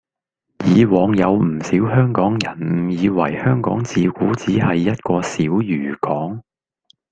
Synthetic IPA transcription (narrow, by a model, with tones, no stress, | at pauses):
jiː˨˧wɔː˨˧ŋjɐ˨˧wm̩˨˩siː˨˥wɦœː˥ŋkɔː˨˥ŋjɐ˨˩nm̩˨˩jiː˨˧wɐ˨˩jhœː˥ŋkɔ̰ː˨˥ŋt͡siː˨˧kuː˨˥t͡siː˨˥ɦɐ˨jːɐ˥t̚kɔː˧siː˨˥wjyː˨˩kɔː˨˥ŋ